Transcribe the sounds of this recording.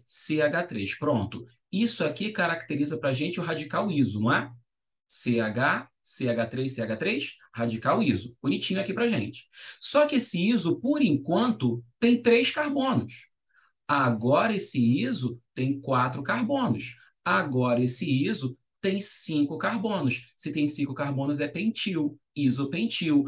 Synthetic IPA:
seaɡat̪ɾeʃpɾõnt̪ʊ | isʊakikaɾak̚t̪eɾizɐpɾaʒẽnt͡ʃɪʊɦad͡ʒikawizʊnɐ̃ɛ | seaɡa | seaɡat̪ɾeʃseaɡat̪ɾejʃhad͡ʒikawizʊb̥unit͡ʃĩɲʊakipɾaʒẽnt͡ʃɪ̥sɔkɪesɪizʊpoɾĩŋkwɐ̃nt̪ʊt̪ẽj̃t̪ɾejʃkaɾbõnʊs | aɡɔɾɐesɪizʊt̪ẽj̃kwat̪ɾʊkaɾbõnʊs | aɡɔɾɐesɪizʊ | t̪ẽj̃sĩkʊkaɾbõnʊssɪt̪ẽj̃sĩŋkʊkaɾbõnʊzɛpẽnt͡ʃiw | izʊpẽnt͡ʃiw

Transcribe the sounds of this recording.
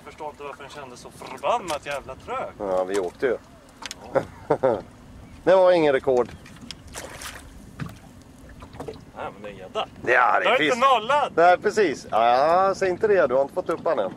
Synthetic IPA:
fəʂʈoːɪnt̪əvaɾfəɾɛnɕɛnd̪əsːɔfœɾbanːat̪jæːvlat̪ʰɾøːavɪoːk̚t̪əjɵ | d̪ɛvaɾɪŋːənɾɛkʰɔɖ | nɛmɛnd̪ɛɛd̪ad̪ɛa̰d̪ɛaɾɪɪənɔːlad̪næɪpʰɾɛsiːsasɛjɪnt̪əd̪ɛd̪ɵhaɾɪnt̪əfɔt̪ːɵpːanːən

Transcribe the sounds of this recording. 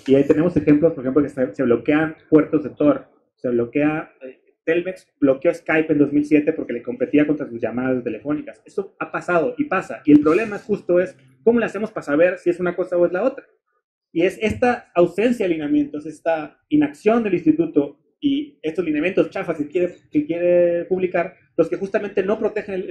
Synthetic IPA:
iait̪e̞ne̞mo̞se̞xe̞mplospoɾexeplokeese̞β̞lo̞ke̞apwe̞ɾt̪o̞zðe̞t̪o̞ɾ | se̞βlo̞ke̞ae | t̪elmeksb̥lo̞kjo̞eskajpe̞nd̪o̞zmilsje̞t̪e̞po̞ɾke̞leko̞mpe̞t̪iakont̪ɾasuzʝamaðast̪e̞le̞fo̞nikase̞so̞apasað̞o̞ʔipasaʔie̞lpɾo̞βle̞maxust̪o̞e̞s | ko̞mo̞lease̞mo̞spaasaβ̞e̞ɾsie̞sunako̞sao̞e̞zlao̞t̪ɾa | ie̞se̞st̪aːwse̞ns̬jaðlinjamjẽ̞nt̪o̞se̞st̪a | inaksjo̞nd̪e̞linst̪it̪ut̪o̞ | ie̞st̪o̞zlinjamje̞nt̪ost͡ʃafaskekjeɾekekje̞ɾe̞puβlikaɾ | lo̞ske̞xust̪ament̪e̞no̞pɾo̞t̪e̞xene

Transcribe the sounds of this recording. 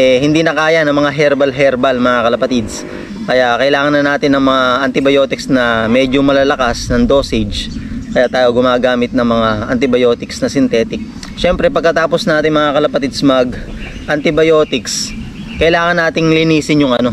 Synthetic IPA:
ɛɦɪnd̪iːnɐkaːjɐnɐŋmɐŋaɦɛɾbɐlɦɛɾbɐlmɐŋakɐlɐpɐt̪id̪s | kɐjaʔkɐʔɪlaːŋɐnːɐnaːt̪ɪnɐŋmɐŋaʔɐnt̪ɪbɐjo̞t̪ɪksnɐmɛd͡ʒomɐlalɐkasnɐŋd̪o̞ːsɪd͡ʒkɐjat̪aːjoɡʊmaːɡaːmɪt̪̚nɐŋmɐŋaʔɐnt̪ɪbɐjo̞ːt̪ɪksnɐsɪnt̪ɛːt̪ɪk̚ | ʃɛmpɾɛpɐɡ̚kːɐt̪aːpo̞snɐaːt̪ɪŋmɐŋakɐlɐpɐt̪ɪd̪smɐɡ | ʔɐnt̪ɪbɐjoːt̪ɪks | kɐʔɪlaːŋɐnːaːt̪ɪŋlɪniːsɪnjʊŋɐno̞

